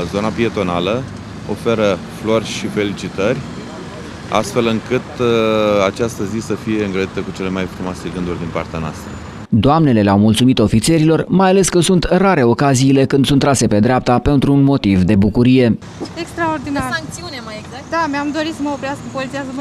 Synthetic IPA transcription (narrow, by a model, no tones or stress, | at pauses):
zo̞napie̞t̪o̞na̰lə | o̞̰fe̞ɾə | flo̞rʲʃife̞lit͡ʃit̪ərʲ | a̰st̪fe̞lɨŋkɨt̪ | at͡ʃast̪əzisəfije̞ɨŋɡɾəd̪it̪əkut͡ʃe̞le̞majfɾumoaseɡɨnd̪urʲd̪inpa̰rt̪eanoa̰st̪ɾə̰ | d̪oamne̞le̞leawmult̪sumit̪o̞fit̪se̞ɾilo̞rmajale̞skəsunt̪raɾe̞o̞kaziːle̞kɨnd̪sunt̪ːɾase̞pe̞d̪ɾeap̚t̪ape̞nt̪ɾuːnmo̞t̪ivd̪e̞bukuɾije̞ | ekst̪ɾaord̪inarŋiunaad̪ameamd̪o̞ɾisəməopɾiaskəpozit̪iazəm